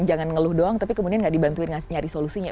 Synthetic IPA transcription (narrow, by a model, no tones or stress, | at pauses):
d͡ʒaŋanŋəlʊhdoaŋt̪apikəmudianɡaʔdibant̪uɪnaɲaɾisolusiɲa